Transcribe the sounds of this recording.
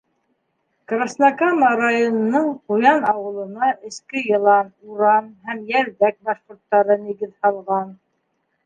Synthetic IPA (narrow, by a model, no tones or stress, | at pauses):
krasnakamɑɾajonɤ̆nɤɴqujɑnɑwɤ̆lˠɤ̆nɑʔɘ̆skɘjɤ̆lˠɑnuɾɑnɦæmjæɾðæk̚bɑʃqŭɾt̪ːɑɾɤniɡɘðhɑlˠʁɑn